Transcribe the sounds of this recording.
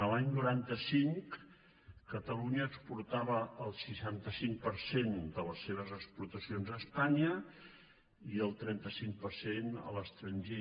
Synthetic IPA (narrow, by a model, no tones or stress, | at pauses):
əlaɲnuɾant̪əsiŋk | kət̪əluɲəːkspuɾt̪aβəəlˠsiʃant̪əsiŋk̚pəɾsend̪ələsːeβ̞əzəkspuɾt̪əsionzəːspaɲə | iəlˠt̪ɾɛnt̪əsiŋk̚pəɾsenə̰ləst̪ɾəɲʲʒe